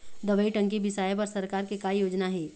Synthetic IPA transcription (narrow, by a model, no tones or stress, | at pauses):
d̪ɐʋəiʈɐ̃ŋkibɪsaːjepɐɾsɐɾkaːɾkekaijoːd͡ʒnaɦiː